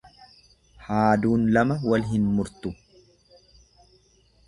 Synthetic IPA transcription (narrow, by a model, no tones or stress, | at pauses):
haːd̪uːnlɐmɐwɐlɦɪnmʊɾt̪ʊ